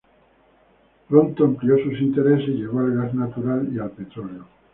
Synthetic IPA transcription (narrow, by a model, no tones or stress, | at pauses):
pɾont̪oampliosusint̪eɾeseʝeβalɣarnat̪uɾalialpet̪oleo